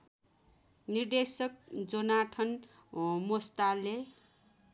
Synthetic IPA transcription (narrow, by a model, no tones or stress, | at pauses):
nird̪esʌk̚d͡zʌnaʈʰʌn | most̪ale